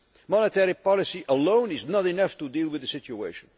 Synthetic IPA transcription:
mɔnət̪ɛɾipɑlisiʔəlõw̃niznɔt̪inʌft̪ud̪iːlwɪðəsit̪juḛʃɔ̃n

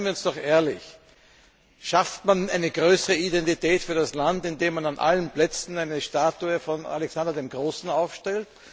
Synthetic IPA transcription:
nviɐʊnsd̥ɔχʔeːɐlɪ̰ç | ʃaftmanʔæɪnəɡʁøːsəʁəidɛntitɛːtfyːɐdaslantɪndeːmananʔa̰lənplɛt͡sn̩æɪnəʃtaːtuəfɔna̰lɛksandɐdeːmɡʁoːsn̩aʊfʃtɛlt

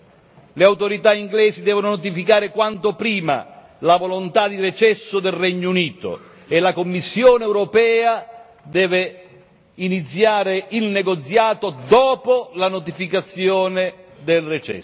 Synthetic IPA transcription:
lɪawt̪oɾit̪aiŋɡlɛːzid̪ɛːvononɔt̪ifikaːɾɪkwant̪opɾiːma̰ | lavolont̪ad̪iret͡ʃɛsːʊd̪ɛlrɛɲːuniːt̪o̰ | elakomːisːjɔːneɛwɾɔpɛːa | d̪ɛːvɪ | init̪sːjaːɾɪilnɛɡot̪sjaːt̪od̪ɔːpolanot̪ifikat̪sːjɔːnɪd̪elrɛt͡ʃɛ̰

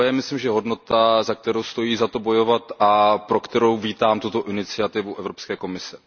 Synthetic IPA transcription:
jɛmɪslɪmʒɛɦo̞dno̞t̪azak̚t̪ɛɾowst̪o̞jiːzat̪o̞bo̞jo̞vat̪ʔapɾo̞kt̪ɛɾowviːt̪aːmt̪ut̪oʔɪnɪt͡sɪat̪ɪvuʔɛvɾopskɛːko̞mɪsɛ̥

